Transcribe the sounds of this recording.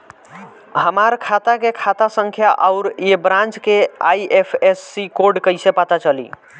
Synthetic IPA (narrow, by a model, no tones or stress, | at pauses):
ɦəmaɾkʰat̪akekʰat̪asəŋkʰjaʔaʊɾebɾãnt͡ʃkeaiʔepʰesːikoɾɖkəjsepat̪at͡ʃəlḭ